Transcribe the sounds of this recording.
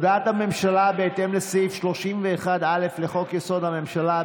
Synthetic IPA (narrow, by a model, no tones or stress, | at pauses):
d̪aːt̪hame̞mʃalabeːt̪e̞mlesifʃlo̞ʃimveːχad̪ale̞fleχo̞kjeso̞d̪hame̞mʃala